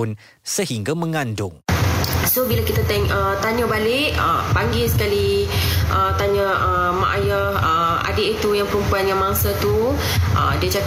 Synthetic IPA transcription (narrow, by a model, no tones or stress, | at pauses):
ʊn | səɦiŋɡamə̃ŋandʊŋ | sobilakit̪at̪ɛŋət̪aɲə̃balɪʔə̰paŋɡɪlsə̥kaliʔət̪aɲə̃ʔə | ma̰ʔaja | ə | a̰deʔit̪ujaŋpəɾumpuanjaŋmaŋsat̪u | ʔə̰diəd͡ʒak